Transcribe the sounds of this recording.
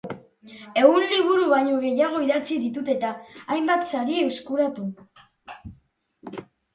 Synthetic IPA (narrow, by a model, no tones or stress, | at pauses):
e̞ɣunliβ̞uɾuβaɲoɣ̞e̞jaɣ̞o̞iðat͡siðit̪ut̪e̞t̪aːjmbat̪saɾieeskuɾat̪u